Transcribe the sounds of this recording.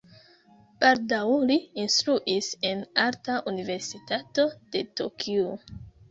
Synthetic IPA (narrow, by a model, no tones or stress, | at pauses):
b̥aldawliːnstɾuʔise̞naɾtaʔunive̞ɾsitato̞d̥e̞to̰kʰio